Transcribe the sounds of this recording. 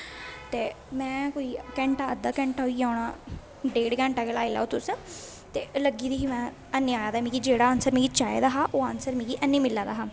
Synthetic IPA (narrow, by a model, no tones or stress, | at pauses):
t̪eː | mɛ̃ːkoːiːkɛ̃ːɳʈaːəd̪ːaːkɛ̃ːɳʈaːɦoiːaːɳaː | ɖeːɖkɛ̃ːɳʈaːkeːlaːila̰ːoːt̪ʊs | t̪eːləɡiːd̪iːɦiːmɛ̃ː | ənːaːjaːd̪aːmĩːkid͡ʒeːɽaːənsəɾmĩːɡiːt͡ʃaːḛːd̪aːɦaːʔoːaːnsəɾmĩːɡiːʔənːiːmɪlːaːd̪aːɦaː